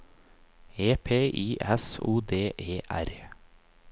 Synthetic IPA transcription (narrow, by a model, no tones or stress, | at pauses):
eːpʰeːʔiːʔɛsuːd̪eːʔeːʔæ̰ɾ